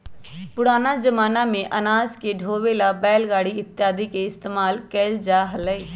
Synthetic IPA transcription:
pʊɽaːnaːd͡ʒəmaːnãːmẽːʔənaːzkeːɖʱoːʋeːlaːbɛːlɡaːɽiːɪt̪ɪjaːd̪iːkeːɪst̪eːmaːlkɛːld͡ʒaːɦəlɛeː

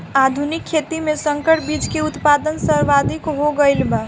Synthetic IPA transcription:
ad̪ʱunikʰːet̪imẽsə̃ŋkəʈbid͡ʒkeʊt̪pad̪ənsəɾʋad̪ʱikɦoɡəɪlba

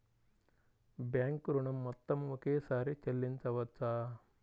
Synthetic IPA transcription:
bjaːŋkɾuɳɐmːɐt̪ːɐmʋukeːsaːɾet͡ʃɐlːint͡sɐʋɐt͡saː

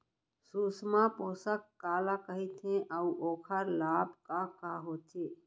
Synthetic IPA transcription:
susmaposəkːaːlakəɦit̪ʰẽʔəuʔoːkʰəɾlabkakaɦot̪ʰe

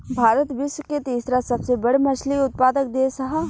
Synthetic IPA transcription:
bʱaːɾət̪ʋɪʃwəket̪iːsɾasɐbsebɐɽmɐt͡ʃliʊt̪̚paːd̪ək̚d̪esɐɦa

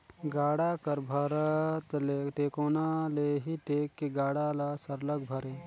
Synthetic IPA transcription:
ɡaːɽakəɾbʱaɾt̪leʈeːkoːnaleɦiʈeːkːeɡaːɽalasɐɾləɡ̚bʱɐɾeː

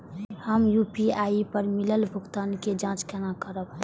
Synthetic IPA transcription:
həmjupiaipəɾmiləlbʱʊɡt̪aːnked͡ʒãt͡ʃkɛnakəɾəb̚

